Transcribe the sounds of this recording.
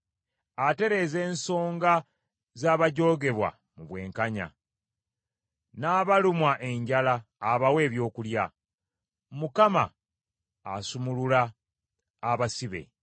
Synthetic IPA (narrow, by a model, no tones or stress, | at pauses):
ate̞ɾe̞ze̞ːnso̞ːŋɡa | zaːβaɟo̞ːɡe̞βwa̰ | muβwe̞ːŋkaɲa̰ | naːβalumwaʔe̞ɲɟalaːβawe̞ːβjo̞ːkulja | mukama̰ː | sumululaː | βasiβe̞̰